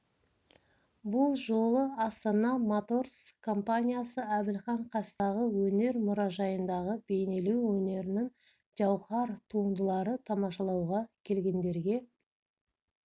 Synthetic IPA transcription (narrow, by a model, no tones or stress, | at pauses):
bʊlˠʒo̞lˠəɑst̪ɑnɑmat̪o̞rskʰo̞mpanʲijasəæbɪlχɑɴqʰɑst̪ɑʁəwɵne̞ɾmʊɾɑʒɑjənd̪ɑʁəbe̞jne̞luwwɵne̞ɾɪnɪŋ | ʒ̥ɑwχɑɾt̪ʰuənd̪əlˠɑɾət̪ʰɑmɑʃɑlˠɑwʁɑkʲʰe̞lɡʲe̞nd̪e̞ɾɡʲe̞